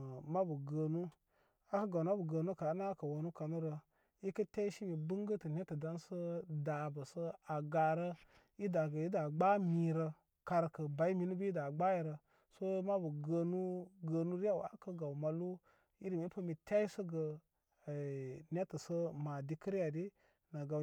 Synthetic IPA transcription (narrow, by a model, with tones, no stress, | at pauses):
ma˦bə˨ɡə˨nu˦ | a˦kə˦ɡa˨na˦bə˨ɡə˧nu˦ka˨˦na˦kə˨wo˨nu˦ka˨nu˦ɾə˧ | i˦kə˦tʲa˦i˦ʃi˦mi˨bə˦ŋ˦ɡə˦tə˨nʲe˦tə˨da˦nsə˦da˨bə˨sə˦a˨ɡa˨ɾə˦ | i˦da˨ɡə˨i˦da˨ɡ͡ba˦mi˨ɾə˧ | ka˨ɾkə˨ba˨i˦mi˨˦nu˦bə˦i˦da˨ɡ͡ba˦ji˨ɾə˨ | so˦ma˦bə˨ɡə˧nu˦ɡə˨nu˦ɾi˦a˦wa̰˨˦kə˦ɡa˨wma˨lu˦ | i˦ɾi˨mi˦pə˦mi˨tʲa˦i˦sə˦ɡə˨ | ne˦tə˨sə˦ma˨di˦kə˦ɾi˦ja˨di˦ | na˨ɡa˨